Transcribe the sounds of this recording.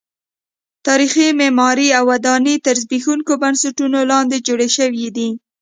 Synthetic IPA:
t̪ɑɾiximemɑɾiawːad̪ɑnit̪aɾzbixuŋkobansaʈunolɑnd̪ed͡ʒoɽeʃəwid̪i

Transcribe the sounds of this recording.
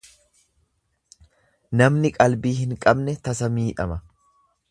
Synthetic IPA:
nɐmnɪkʼɐlbiːhɪŋkʼɐbnɛt̪ɐsɐmiːᶑɐmɐ

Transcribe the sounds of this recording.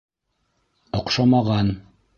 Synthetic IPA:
ŏqʃɑmɑʁɑn

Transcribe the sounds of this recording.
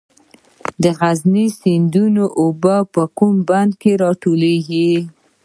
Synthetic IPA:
d̪əɣaznisɪnd̪unoʔobəpəkumband̪keɾɑʈoleɡi

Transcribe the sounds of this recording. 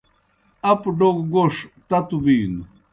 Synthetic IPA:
apɖokɡoʂt̪at̪ubiːnu

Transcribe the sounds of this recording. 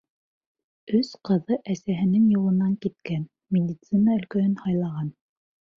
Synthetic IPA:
ɵsqɤ̆ðɤʔæsæɦɘ̆nɘŋjulˠɤ̆nɑŋkit̪̚kæn | mʲed̪ʲit̪sɨnaɵ̆lkæhɵnhɑjlˠɑʁɑn

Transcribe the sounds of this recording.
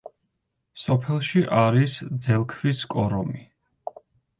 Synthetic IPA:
sɔpʰɛlˠʃiʔaɾisd̪zɛlˠkʰviskʼɔɾɔmi

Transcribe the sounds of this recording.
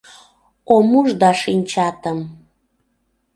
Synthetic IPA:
omuʒd̪ɑʃinʲt͡ɕɑt̪əm

